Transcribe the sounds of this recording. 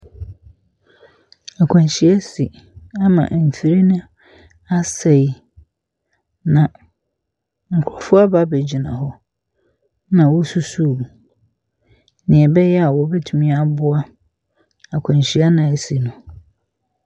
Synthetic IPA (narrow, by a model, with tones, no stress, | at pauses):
a˨kʷʰã˨ɲ˨ɕɪ˦ɛ˦si˨ | a˦mã̰˨ʔm̩˨fi˨ɾi˦nʊ̃˦ | a˦sɛ˨˦ | nã˨ | ŋ̩˨kʰʊ˨ɔ˨fʊ˦a˦ba˦be˨d͡ʑi˨nã̰˨hɔ˦ | nã˨wɔ˦su˦suː˦˨ | nɪ̃˨ɛ˨bɛ˦jɛ˦a˨wɔ˨bɛ˦tʰu˨mĩ˦a˨bʊ˦a˦ | a˨kʷʰã˨ɲ˨ɕi˦a˦nã˨e˨si˨nʊ̃˨